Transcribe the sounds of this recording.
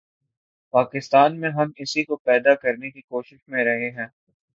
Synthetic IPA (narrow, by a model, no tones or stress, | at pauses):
paːkɪst̪aːnmẽɦɐmɪsikopɛːd̪akɐɾnekikoːʃɪʃmẽɾɐɦeɦɛ̃ː